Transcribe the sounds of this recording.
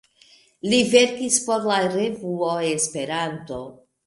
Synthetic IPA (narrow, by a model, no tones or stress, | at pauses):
live̞ɾkispo̞ɾlaɾevuoespe̞ɾanto̞